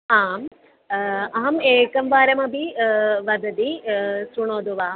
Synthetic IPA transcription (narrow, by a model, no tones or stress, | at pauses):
aːm | ɐɦɐmeːkɐmʋaːɾɐmɐbiʋɐd̪ɐd̪isuɳoːd̪uʋaː